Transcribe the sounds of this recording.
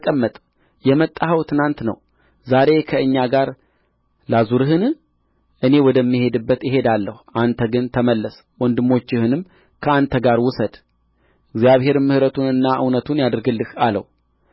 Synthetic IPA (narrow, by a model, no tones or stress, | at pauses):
kʼəmːət̪ʼ | jɛmət̪ʼːahəwt̪ʰɨnant̪nə̰w | zaɾe̞kʰəɨɲːaɡaɾ | lazuɾɨɦɨn | ʔɨne̞wɔd̪əmːihe̞d̪ɨbːət̪jɪɦe̞d̪alːəhuʔant̪ʰəɡɨnt̪ʰəməlːəs | wɔnd̪ɨmːo̞t͡ʃːɪhɨnɨm | kʰəant̪ʰəɡaɾwʊsəd̪ | ʔɨɡzijaβhe̞ɾmːɨhɾət̪ʰunɨnːaʔɨwnət̪ʰunjad̪ɨɾɡɨlːɨhalə̰w